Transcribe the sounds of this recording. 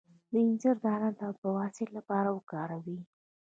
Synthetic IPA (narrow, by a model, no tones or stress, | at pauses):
d̪əɪnzəɾd̪ɑɾant̪apəwɑsɪlːapɑɾawəkɑɾawi